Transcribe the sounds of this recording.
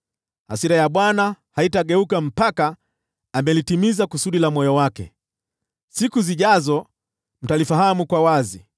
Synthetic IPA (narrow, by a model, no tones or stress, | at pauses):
ha̰siɾajaɓwanahaitaɠɛukam̩paka | amɛlitimizakusuɗilamɔjɔwakɛ̰ | sikuziʄazɔ | m̩talifaɦamukwawazi